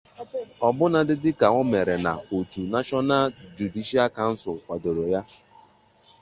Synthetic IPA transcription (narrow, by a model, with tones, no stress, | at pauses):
ɔ˨bʊ˦na˦dɪ˦dɪ˦ka˨ŋɔ˦me˨ɾe˨na˨o˨tu˨na˦t͡ʃɔ˦na˦d͡ʒu˨di˦ʃi˦a˦ka˨n̩˦sʊ˨lkʷa˨do˨ɾo˨ja˦